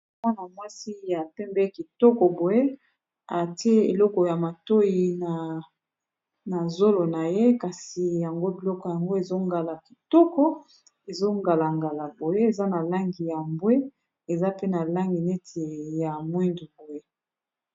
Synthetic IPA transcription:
mwa˦na˨mwa˦si˦ja˨pɛ˦mbɛ˦ki˨tɔ˦kɔ˨bo˨je˦ | a˨ti˦e˦ḛ˨lɔ˦kɔ˨ja˨ma˨to˦ji˨na˨ | na˨zo˦lo˨na˨je˦ka˨si˨ja˨ŋɡo˦bi˨lɔ˦kɔ˨ja˨ŋɡo˦e˨zo˦ŋɡa˨la˨ki̥˨tɔ˦kɔ˦ | e˨zo˦ŋɡa˨la˨ŋɡa˨la˨bo˨je˦e˨za˦na˨la˦ŋɡi˨ja˨mbwe˦ | e˨za˦pe˦na˨la˦ŋɡi˨ne˦tʰe˨ja˨mwi˦ndu˨bo˨je˦

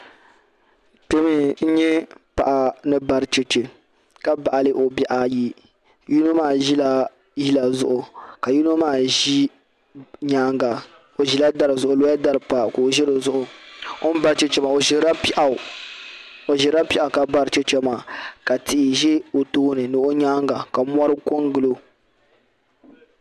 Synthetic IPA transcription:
te˦mi˦n̩˦ɲɛ˦pa̰˨ʔa˨nɨ˦ba˦ɾt͡ʃe˦t͡ʃe˨ | ka˦ba˨ʔa˨lɨ˦ʔo˨bɛ˨ʔa˨ji˦ | ju˦no˦maː˦˨ʒi˦la˦ | ji˦la˨zʊ̰˦ʔʊ˨ka˨ju˦n˦o˦maː˦˨ʒi˦ | ɲaː˦ŋɡa˨ | o˨ʒi˨la˦da˨ɾɨ˨zʊ˨ʔʊ˨lo˦a˦da˦ɾɨ˨pa˨ko˨ʒɪ˦ɾɨ˨zʊ˦ʔʊ˨o˦n˦ba˦ɾt͡ʃɛ˦t͡ʃɛ˦ma˨o˨ʒi˨ɾa˦pi˦ʔa˨ | o˨ʒɪ˨ɾa˦pi˦ʔa˨ka˨ba˦ɾt͡ʃe˦t͡ʃɛ˦maː˨ka˨tɪ˨ʔɪ˨ʒɛ˦o˨toː˦nɨ˨nɨ˨ʔo˦ɲaː˦ŋɡa˨ka˨mʷ˦ɔ˦ɾɨ˦ko˦ŋɡɨ˨lo˦

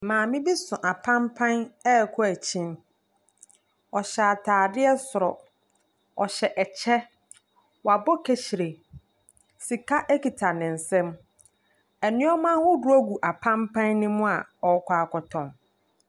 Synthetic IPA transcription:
mãː˨mɪ̃˦bi˦sʊ̃˨ʔa˨pʰã˦mpʰã˦nɛ˦˨kʰɔ˦æ˨t͡ɕʰĩ˦n | ɔ˨ɕa˨a˨tʰaː˨dɪ˦ɛ˦sʊ˨ɾɔ˨ | ɔ̰˨ɕɛ˨ʔɛ˨t͡ɕʰɛ˦ | wa˨bɔ˦kʰe˨ɕi˨ɾe˨ | si˨kʰa˦ʔe˦ki˨tʰa˨nɪ̃˨n̩˨sɛ̃˦m | ɛ˨nɪ̃˦ɔ˦mãː˦hʊ˦du˨˦o˦ɡu˨ʔa˨pʰã˦mpʰã˦nːɪ̃˦mʊ̃˦a˨ɔ˨˦kʰʷaː˨˦˨kɔ˨tʰɔ̃˨n

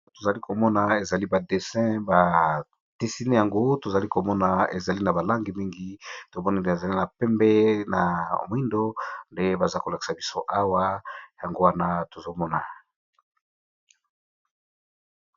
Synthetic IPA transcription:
to˨za˨li˦ko˨mɔ˦na˨e˨za˨li˦ba˨de˨sɛ̃˦ba˨ | te˨si˦ne˦ja˨ŋɡo˦to˨za˨li˦ko˨mɔ˦na˨ḛ˨za˨li˦na˨ba˨la˦ŋɡi˨mi˦ŋɡi˦to˨mɔ˦ni˦nde˨e˨za˨li˦na˨pɛ˦mbɛ˦na̰˨m˨˦i˦ndo˦nde˦ba˨za˦ko˨la˨ki̥˨sa˨bi˦so˦ʔa˦wa˦ja˨ŋɡo˦wa˦na˦to˨zo˦mɔ˦na˨

